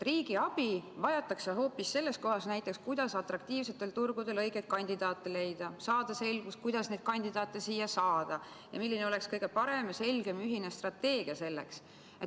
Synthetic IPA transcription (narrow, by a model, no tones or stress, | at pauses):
riːɡ̥iɑb̥ivɑjɑt̪ːˑɑksɑɦo̞ːpːisːe̞lːe̞sko̞ɦɑsnæjt̪ːˑe̞kskujd̪̥ɑsɑt̪ˑrɑk̚t̪iːvse̞t̪ːˑe̞lt̪urɡ̥ud̪̥e̞lɤjɡ̥et̪̚kɑnʲd̪̥id̪̥ɑːt̪ːˑele̞jd̪̥ɑsɑːd̪̥ɑse̞lɡus̚kujd̪̥ɑsne̞ːd̪̥kɑnʲd̪id̪ɑːt̪ːˑesiːjːɑsɑːd̪̥ɑ | jɑ̰milːineo̞le̞kskɤjɡ̥e̞pɑɾe̞mjɑse̞lɡ̥e̞myɦine̞st̪rɑt̪ːe̞ːɡ̥iɑse̞lːe̞ks | et̪